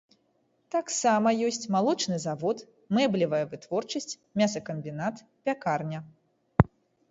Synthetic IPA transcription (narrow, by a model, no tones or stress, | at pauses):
t̪aksamɐjɔsʲt͡sʲmalˠɔt͡ʂnɨzavɔt̪ | mɛblʲivɐjɐvɨt̪vɔrt͡ʂɐsʲt͡sʲ | mʲasɐkɐmbʲinat̪ | pʲakarnʲɐ